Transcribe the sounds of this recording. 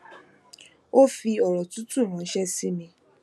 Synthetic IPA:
o˦fi˧ɔ˨ɾɔ˨tu˦tu˦˨ɾ̃ã˨˦ʃɛ˦si˦mĩ˧

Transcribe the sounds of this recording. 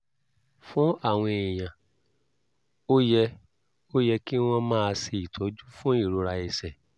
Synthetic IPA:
fũ˦a˦˨w̃ɔ̃˧e˨j̃ã˨ | o˦jɛ˧ | o˦jɛ˧ki˦w̃ɔ̃˧mãː˦a˧si˧i˨tʰɔ˨˦d͡ʒu˦fũ˦i˦˨ɾo˧ɾa˧i˧sɛ˨

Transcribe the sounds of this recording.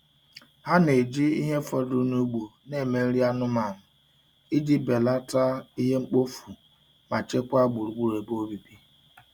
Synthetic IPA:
ha˦ne˨d͡ʒi˦ḭ˦ɦe˦fɔ˨du˦nu˦ɡ͡bu˨ne˦˨me˨˦ɾi˦a˦nʊ˦ma˨m̩˨ | i˦di˦be˨la˦ta˦i˦ɦe˦ŋ͡m̩˦k͡po˦fu˨ | ma˨t͡ʃe˦kʷa˦ɡ͡bu˨ɾu˨ɡ͡bu˦ɾe˨bo˦bi˨bi˦

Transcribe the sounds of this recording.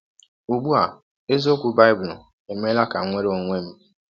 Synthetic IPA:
u˨ɡ͡bu˦a˨ | e˦zo˦kʷu˦ba˦ɪ˦bʊ˨ʊ̰˨ | e˨me˦la˦ka̰˨ŋʷe˦ɾo˨ŋʷe˦m̩˦

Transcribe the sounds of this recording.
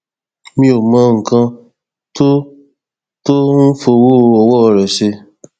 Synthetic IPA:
mĩ˧o˨mã˨˦ŋ̩˨kã˧ | to˦ | to˦n̩˦fo˧wo˦˧ɔ˧wɔ˦ɔ˧ɾɛ˨ʃe˧

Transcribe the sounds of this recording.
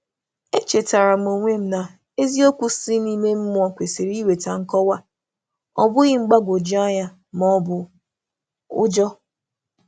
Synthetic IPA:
e˦t͡ʃe˨ta˨ɾa˨m̩˨o˨ŋʷe˦m̩˦na˨ | e˦zi˦o˦kʷu˦si˦ni˦me˦m̩˦mʊ˦ɔ˦kʷe˨si˨ɾi˦we˨ta˨ŋ̩˦kɔ˦wa˦ | ɔ̰˨bʊ˦ɣɪ˦ŋ͡m̩˦ɡ͡ba˦ɡʷo˨d͡ʒi˦ɔ˦ɲa˦ | m˨ɔ˦bʊ˦ | ʊ̰˦d͡ʒɔ˦

